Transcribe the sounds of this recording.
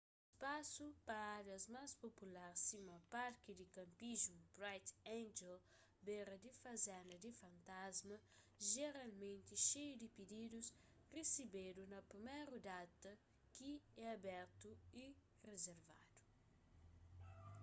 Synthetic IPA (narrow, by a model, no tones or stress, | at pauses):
espasupɐaɾjɐzmaspopulaɾsimɐpaɾkid̪ikɐ̃mpiʒmubɾajt̪ãnd͡ʒel | beɾɐd̪ifɐzɛ̃nd̪ɐd̪ifɐ̃nt̪azmɐ | ʒeɾalmẽnt̪iʃejud̪ipid̪id̪us | resibed̪unɐpɾimɛjɾud̪at̪ɐ | kiɛabɛɾt̪ui | rezeɾva̰d̪̥u̥